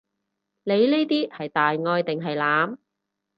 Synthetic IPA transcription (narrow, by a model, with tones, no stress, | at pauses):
ne˨˧jne˥jt̪iː˥hɐ˨jt̪aː˨jŋɔː˧jt̪ɪ˨ŋɦɐ˨jlaː˨˧m